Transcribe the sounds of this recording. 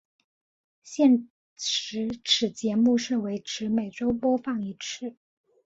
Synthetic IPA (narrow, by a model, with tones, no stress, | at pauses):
ɕjɛ˥˩n | ɻɻ̩˧˥ʈ͡ʂʰɻ̩˨˩t͡ɕjɛ˧˥mu˥˧ʂɻ̩˥˩we˧˥ɪʈ͡ʂʰɻ̩˧˥me˨˩ɪʈ͡ʂo˥ʊpwɔ˥fɑ˥˩ŋi˧˥ʈ͡ʂʰɻ̩˥˩